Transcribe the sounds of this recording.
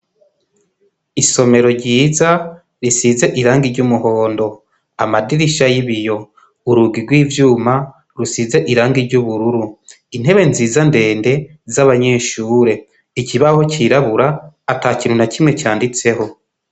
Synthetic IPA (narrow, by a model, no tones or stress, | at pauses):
iso̞me̞ɾo̞ɾɟiːza | ɾisize̞ʔiɾaːŋɡiɾɟumuho̞ːndo̞ | amadiɾiʃajiβijo̞ | uɾuɡiɡwiːvjuːma | ɾusize̞ʔiɾaːŋɡiɾɟuβuɾuɾu | in̥e̞βe̞nziːzande̞ːnde̞ | zaβaɲe̞ːʃuːɾe̞ | iciβaho̞ciɾaβuɾaːtaːciːnhunacimŋe̞caːndit͡se̞ho̞